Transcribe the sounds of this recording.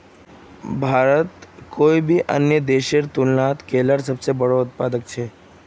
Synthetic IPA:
bʱaɾət̪kʰoibʱiʔə̰njəd̪eʃeɾt̪ulnat̪kʰeləɾsəbsebəɽoʊt̪̚pad̪ək̚t͡ʃʰe

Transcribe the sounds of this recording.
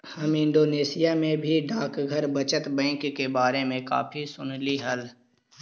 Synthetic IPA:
hɐmɪ̃ɳɖoːneːsɪjamẽbʱiɖaːkɡʱɐɾbɐt͡ʃət̪bɛ̃ːŋkːebaːɾemẽka̰ːfʰisʊnliɦɐl

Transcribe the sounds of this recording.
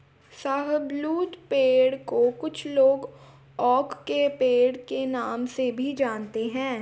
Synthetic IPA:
saːɦəbluːt̪peːɽkokʊt͡ʃʰloːɡ | ɔːkːepeːɽkenaːmsebʱid͡ʒaːnt̪eɦɛ̃ː

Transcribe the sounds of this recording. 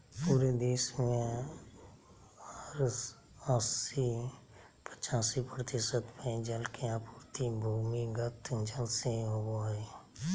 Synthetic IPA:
puːɾed̪eːsmẽ | əɾ | əsi | pət͡ʃaːsipɾət̪ɪsəd̪mẽd͡ʒəlkeãpuɾt̪ibʱuːmiɡət̪d͡ʒəlseɦoɡoe

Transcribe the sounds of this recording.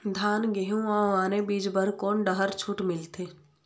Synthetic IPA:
d̪ʱaːnɡeɦũãːaːnebiːd͡ʒbəɾkoːnɖəɦəɾt͡ʃʰuːʈmɪlt̪ʰeː

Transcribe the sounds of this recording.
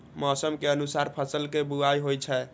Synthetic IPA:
mɔsəmkeənusaɾpʰəsəlkebuajɦojt͡ʃʰɛ

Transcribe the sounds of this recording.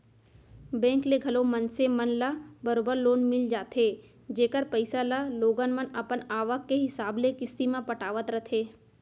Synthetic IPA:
bɛ̃ːŋkleɡʱɐlomənsemənlabɐɾoːbəɾloːnmɪld͡ʒaːt̪ʰeː | d͡ʒeːkəɾpəɪsalaloːɡənmənɐpənaːʋəkːeɦɪsaːblekɪst̪imãpɐʈaːʋət̪ɾɐt̪ʰeː

